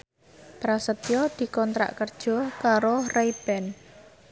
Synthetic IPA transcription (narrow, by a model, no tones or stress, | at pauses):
pɾasət̪ijɔd̪̥i̤kɔnt̪ɾa̰ʔkərd̥ʒ̥ɔ̤kaɾoraib̥ɛn